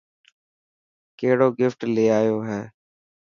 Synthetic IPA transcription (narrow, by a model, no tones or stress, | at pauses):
keːɽoːɡɪfʈleːaːjoːɦɛː